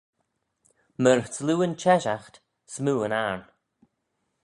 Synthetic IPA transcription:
məɹt͡sluːənt͡ʃʰɛʃaxt | smuːənaɹn

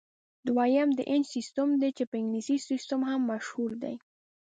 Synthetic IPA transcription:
d̪wajamd̪əʔɪnd͡ʒsist̪əmd̪et͡ʃepəɪŋɡlisisist̪əmɦamːaʃhuɾd̪a̰j

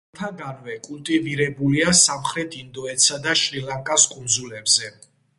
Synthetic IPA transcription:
t̪ʰaɡaɾvɛkʼult̪ʼiviɾɛbuliasamχɾɛt̪ʰind̪ɔɛt̪sad̪aʃɾilaŋkʼaskʼund̪zulɛbzɛ

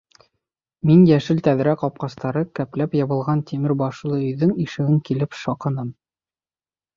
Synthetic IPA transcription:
minjæʃɘlt̪æðɾæqɑp̚qɑst̪ɑɾɤkæplæpjɑβɤ̆lˠʁɑnt̪imɘɾbɑʃ̆lˠɤɵ̆jðɘŋiʃɘ̆ɡɘŋkilɘpʃɑqɤ̆nɤm

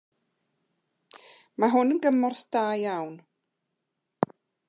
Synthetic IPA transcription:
maɦɔnʏmkamːɔɾ̥θt̪ajawn

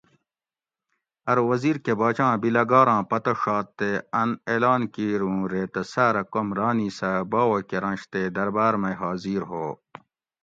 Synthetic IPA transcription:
ɐɾwɐziːɾkebaːt͡ɕãːbilɐɡaːɾãːpɐt̪ɐʂaːt̪ːeɐneːlaːnkiːɾũːɾeːt̪ɐsaɾɐkomɾaːniːsɐbaːwokeɾɐ̃nɕt̪eːd̪ɐɾbaːɾmɐjɦaːziːɾɦoː

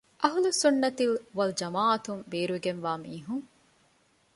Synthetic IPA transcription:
ʔɐɦulusunːɐt̪ilʋɐld͡ʒɐmaːɐt̪umbeːɾueɡenʋaːmḭːɦuŋ

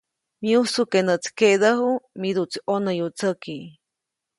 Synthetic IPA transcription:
mĩusukenət͡si̥keʔd̪əhumid̪ut͡si̥ʔonəjut͡sʰəki

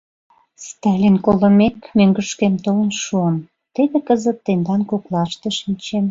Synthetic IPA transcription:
st̪ɑlʲinkolə̆mekmøŋɡə̆ʃkemt̪olənʃuəm | t̪eβekəzət̪ːend̪ɑnkuklɑʃt̪əʃinʲt͡ɕem

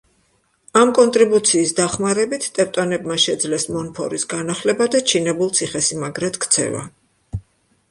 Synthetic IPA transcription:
amkʼɔnt̪ʼɾibut̪sʰiːsd̪aχmaɾɛbit̪ʰt̪ʼɛpt̪ʼɔnɛbmaʃɛd̪zlɛsmɔnpʰɔ̰ɾisɡanaχlɛbad̪at͡ʃʰinɛbulˠt̪sʰiχɛsimaɡɾɛt̪ʰkʰt̪sʰɛ̰va̰

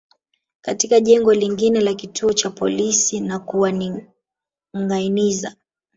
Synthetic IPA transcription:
katikaʄɛŋɡɔliŋɡinɛlakitʰuɔt͡ʃapɔ̰lisinakuwani | ɡainiza

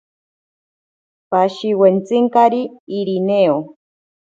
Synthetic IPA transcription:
paʃiwent͡siŋkaɾiːɾineo

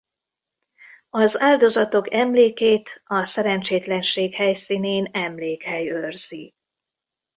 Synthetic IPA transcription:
ɒzaːld̪o̞zɒt̪o̞kɛmleːkeːt̪ɒsɛɾɛnt͡ʃeːt̪lɛnʃeːkhɛjsiːneːnɛmleːkhɛjørz̥i

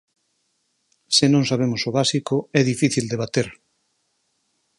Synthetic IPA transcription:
sɪnõŋsaβemosoβasikoɛðifiθild̪eβ̞at̪eɾ

